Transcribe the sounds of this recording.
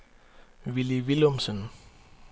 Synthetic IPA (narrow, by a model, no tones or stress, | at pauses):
ʋiliʋilomsən